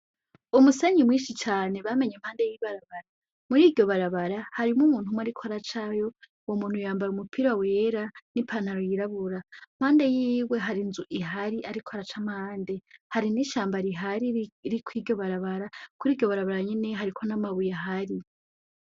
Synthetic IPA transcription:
umuseɲimwiːʃit͡ʃaːne̞βame̞ɲemhaːnde̞jiβaɾaβaɾa | muɾidɟo̞βaɾaβaɾahaɾimumuːn̥humwaɾikʰoaɾat͡ʃajo̞ | womuːn̥hujaːmbaɾumupʰiɾawe̞ɾanipʰan̥aɾojiɾaβuɾam̥haːnde̞jiːwe̞ɦaɾinzuʔiɦaɾiʔaɾikʰoaɾat͡ʃam̥haːnde̞haɾiniʃaːmbaɾiɦaɾiɾikwiːɾɟo̞βaɾaβaɾakuɾiːɟo̞βaɾaβaɾaɲeneɦaɾikʰo̞namaβujaɦaɾi

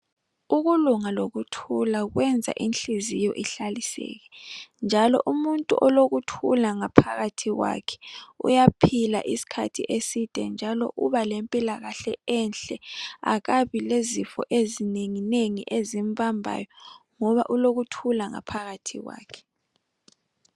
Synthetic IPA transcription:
uɣuluŋaloɣutʰulaɣwɛnd͡zʱa̰ʔinɬizijɔʔiɬalisɛ̰ːɣɛnd͡ʒʱalɔ̰ʔumuntʼṵʔɔloɣutʰulaŋapʰaɣatʰiɣwa̰kʰɛ̥ṵjapʰila̰ʔisi̥kʰa̰tʰiʔesid̥ʱɛ̰nd͡ʒʱalɔ̰ʔuβalempʼilaɣaɬɛɛnɬɛa̰ɣaβilezifɔ̰ʔezineŋineŋiʔezimvʱambʱa̰jɔŋɔβaʔuloɣutʰulaŋa̰pʰaɣatʰḭɣwa̰ːkʰɛ̥

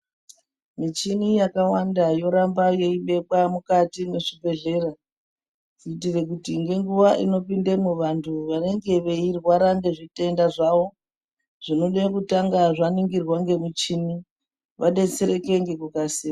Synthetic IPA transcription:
mit͡ʃinijakawandajo̞ɾambajo̞iɓe̞ɓwamukatimeʂibʱe̞ɮe̞ra | tiːtire̞k̬utiŋɡe̞ŋɡuʋaʔino̞pindemuʋantʰuʋane̞ŋɡe̞ʋe̞irwaɾaŋɡe̞ʐite̞ndaʐaʋo̞ | ʐ̥ino̞ɗekutaŋɡaʐaniŋɡirwaŋɡe̞mut͡ʃini | ʋaɗe̞t͡seɾe̞ke̞ŋɡe̞kukasiː

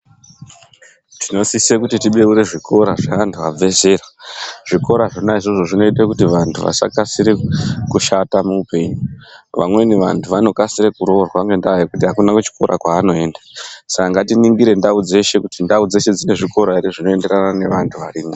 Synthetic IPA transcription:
tino̞sisekutitiɓe̞uɾe̞ʐikʰo̞ɾaʐeʋantʰuab͡vʱe̞ze̞raʐ̥iko̞ɾaʐonaiʐoʐo̞ʐino̞itekutiʋantʰuʋa̰sa̰kasiɾekuʃatamuːpe̞ɲuʋa̰mwe̞niʋa̰ntʰuʋano̞kasiɾekuɾorwaŋɡe̞ndaaekutiɦakunakut͡ʃi̥koɾʔa̰kwaːno̞e̞ːndḁsakaŋɡatiniŋɡiɾe̞ndaud͡ze̞ʃe̞kutindaud͡ze̞ʃe̞d͡zine̞ʐiko̞ɾaiɾiʐino̞e̞nde̞ranane̞ʋantʰuʋaɾina

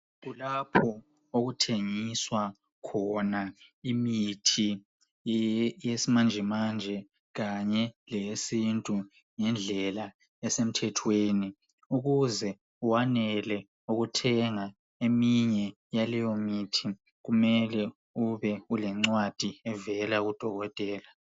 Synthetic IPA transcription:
ɣulapʰɔ | oɣutʰeŋiswa | kʰɔnaimitʰi | jesimand͡ʒʱɛmand͡ʒʱɛ | ɣaɲɛlesintʼu | ŋɛnd͡ɮʱɛla | ɛsem̩tʰɛtʰweːni | uɣuzɛ | uwanɛlɛ | uɣutʰɛŋa | emiɲɛ | jalɛjomiːtʰi | ɣumɛlɛ | uβɛulɛŋ͡ǀwad̥ʱiɛvɛlaɣud̥ʱɔɣɔtʼɛːla

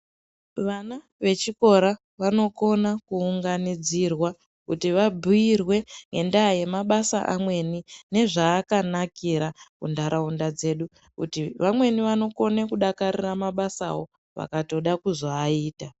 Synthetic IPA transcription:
ʋana | ʋe̞t͡ʃiko̞ɾa | ʋano̞ko̞nakuːŋɡanid͡zirwa | kutiʋabʱujirwe̞ŋɡe̞ndaje̞maɓasa̰ʔamwe̞nine̞ʐaːkanakiɾakṵndaɾʔaundad͡ze̞ɗu | kṵtiʋamwe̞niʋano̞ko̞nekuɗakaɾiramaɓasa̰wo̞ | ʋa̰kato̞ɗakuzoːiːta

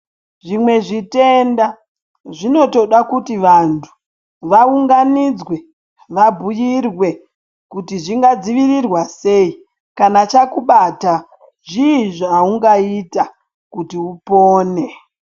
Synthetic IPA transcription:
ʐimwe̞ʐite̞nda | ʐino̞to̞ɗakutiʋantʰu̥ | ʋauŋɡanid͡zwe̞ | ʋabʱujirwe̞ | kutiʐiŋɡad͡ziʋirirwase̞i | kanat͡ʃakuɓata | ʐiːʐauŋɡaita | kutiupoːne̞

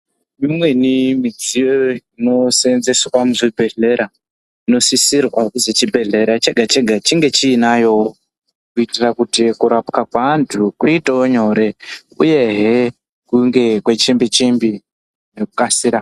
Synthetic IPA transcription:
mimwe̞nimid͡zieino̞senzeswamuʐibʱe̞ɮe̞ɾa | ino̞sisirwazet͡ʃibʱe̞ɮe̞ɾat͡ʃeɡʱat͡ʃeɡʱat͡ʃiŋɡe̞t͡ʃiːnajo̞o | kuitirakutikuɾapkakwantʰukuitaoɲo̞ɾe̞ | ṵje̞ɦe | kuŋɡekwe̞t͡ʃimbit͡ʃimbi | nekukasiːɾa

